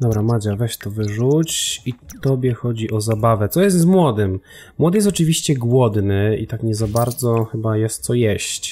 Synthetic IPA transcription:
d̪ɔbɾamad͡ʑavɛɕt̪ɔvɘʐut͡ɕit̪ɔbʲjɛxɔd͡ʑiʔɔzabavɛt̪sɔjɛst̪zmwɔd̪ɘm | mwɔd̪ɘjɛs̬t̪̬ɔt͡ʂɘvʲiɕt͡ɕɛɡwɔd̪nɘit̪akɲɛzabaɾd̪zɔxɘbajɛst̪̚t̪sɔjɛɕt͡ɕ

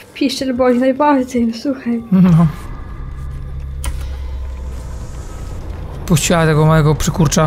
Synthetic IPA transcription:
pʲiʂɛlbɔjinajbaɾd͡ʑɛjsuxaj | puɕt͡ɕiwat̪ɛɡɔmajɛɡɔpʂɘkuɾt͡ʂa

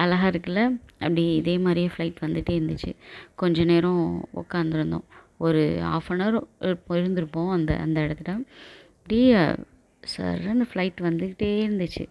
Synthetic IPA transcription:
ɐlɐɦaːɾɯkːɐlːɐɐpːɐɽiɪðeːmaːd̪ɾijɐ̃flɐɪʈːʋɐnd̪ɯʈːeːɪɾɯnd̪ɯt͡ʃːɯ̰kɔɲd͡ʒɐneːɾõɔ̰kːaːnd̪ɪɾɯnd̪õ̰ː | ɔɾɯa̰ːfɐnɐɾɪɾɯpːõɪɾɯnd̪ɪɾɯpːõːɐnd̪ɐ̰ɐ̰nd̪ɐɪɽɐt̪ːɯʈːaː | ɐpːɐɽi | sɐ̰ɾɐnflɐɪʈːʋɐnd̪ɯʈːeːɪɾɯnd̪ɯt͡ʃːɯ̰

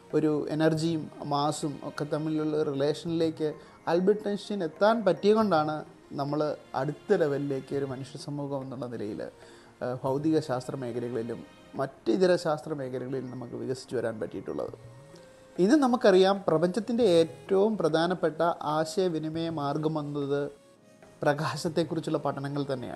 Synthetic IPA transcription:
o̞ɾuḛnɐrd͡ʑijumːaːsumo̞̰kːe̞t̪ɐmːiluɭːɐrile̞ːʂɐnile̞ːkːɨ | aːlbiʈːenʂine̞t̪ːaːnpɐtːijɐɣo̞ɳɖaːɳɨ | nɐmːɐɭɐ̰ɽut̪ːɐleʋɐɾile̞ːkːɨo̞ɾumɐnuʂjɐsɐmːuːɡɐme̞nːuɭːɐnilɐ̰jḭl | bʱɐwd̪iɣɐɕaːst̪rɐme̞ːkʰɐɾɐɣɐɭilṵmː | ɐtːiðiɾɐɕaːst̪rɐme̞ːkʰɐɾɐɣɐɭilnɐmukːɨʋḭɣɐsi̥t͡ɕːuʋɐɾaːnpɐtːijiʈːṵɭːɐ̰ðɨ̰ | inːɨnɐmukːɐrijaːmprɐbɐɲd͡ʑɐt̪ːinde̞eːtːɐʋumprɐd̪ʱaːnɐpːe̞ʈːɐʔaːɕɐjɐʋinimɐjɐmaːrɡɐmɐnːɐðɨ | prɐɣaːɕɐt̪ːe̞kːurit͡ɕːuɭːɐpɐʈʰːɐnɐŋːɐɭt̪ɐnːḛja̰

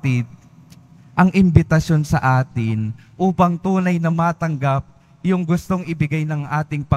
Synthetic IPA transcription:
t̪ɪd̪̚ | ʔɐŋʔɪmbɪt̪ɐsjo̞nsɐʔaːt̪ɪnʔuːpɐŋt̪uːnɐjnɐmaːt̪ɐŋɡap̚ | jʊŋɡʊst̪o̞ŋʔɪbɪɡajnɐŋʔaːt̪ɪŋpɐ

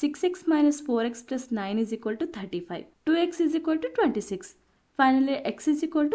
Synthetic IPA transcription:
siksiksmajnɐsfoːɾekspɾɐsnajnizikʋəlʈut̪ʰəɾʈifajʋʈuːeksizikʋəlʈuʈwẽɳʈisiks | fajnɐliʔeksizikwəlʈu

